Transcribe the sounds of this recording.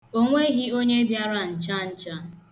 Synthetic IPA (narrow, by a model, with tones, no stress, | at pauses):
o˦ŋʷe˦ɣi˦o˦ɲe˦bja˦ɾa˦n̩˨t͡ʃa˦n̩˦t͡ʃa˦